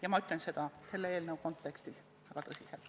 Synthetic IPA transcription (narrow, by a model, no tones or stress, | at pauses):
jɑmɑyt̪lense̞d̪̥ɑse̞lːee̞ːlnewko̞nt̪ːe̞kst̪is | ɑɡ̥ɑt̪ɤsʲiselt̪